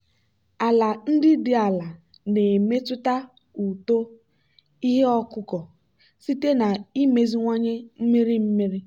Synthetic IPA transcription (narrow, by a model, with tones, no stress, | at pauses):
a˨la˨n̩˦dɪ˦dɪ˨a˨la˨ | ne˨me˦tʊ˦ta˦ | u˨to˦ | i˦ɦe˦ɔ˦kʊ˦kɔ˨ | si˦te˦na˨i˦me˨zi˦ŋʷa˦ɲe˦m̩˦mi˦ɾi˦m̩˦mi˦ɾɪ˦